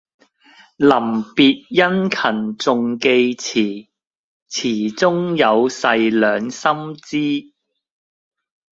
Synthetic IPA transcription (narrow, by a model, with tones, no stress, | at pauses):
lɐ˨˩mpiː˨˧t̚jɐ˥nkʰɐ˨˩nt͡sʊ˨˧ŋke˧jt͡sʰiː˨˩ | t͡sʰiː˨˩t͡sʊ˥ŋjɐ˨˧wsɐ˧jlœː˨˧ŋsɐ˥mt͡siː˥